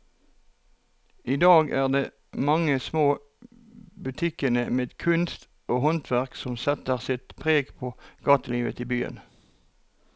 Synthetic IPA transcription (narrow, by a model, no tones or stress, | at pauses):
iːd̪ɑːɡæːʁd̪eː | mɑŋəsmoː | bʉt̪ʰɪkənəmeːd̪kʰʉnst̪ | oːhɔnt̪ʰʋæʁksɔmsɛt̪əʁsɪt̪pʰʁeːɡpʰoːɡ̥ɑːt̪əliːʋə̰t̪ʰibyːə̰n